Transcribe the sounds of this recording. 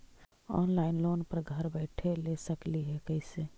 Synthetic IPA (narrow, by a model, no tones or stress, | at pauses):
ɔ̰ːnlaɪnloːnpəɾɡʱəɾbɛɪʈʰelesəkliɦɛkəɪse